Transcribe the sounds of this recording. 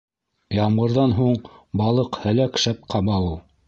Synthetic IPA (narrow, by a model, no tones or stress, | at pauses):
jɑmʁɤ̆ɾðɑnɦuɴbɑlˠɤqhæ̆lækʃæp̚qʰɑmɑulˠ